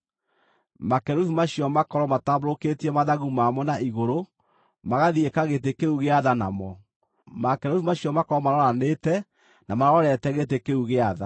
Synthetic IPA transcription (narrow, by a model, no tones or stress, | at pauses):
makɛɾoθumaɕiɔmakɔɾɔmataβoɾoketiɛmaðaɣumamɔnaiɣoɾo | maɣaðiekaɣet̬ekeuɣeaðana̰mɔ | makɛɾoθumaɕiɔmakɔɾɔmaɾɔɾanetɛ | namaɾɔɾɔɾɛtɛɣet̬ekeuɣeaða̰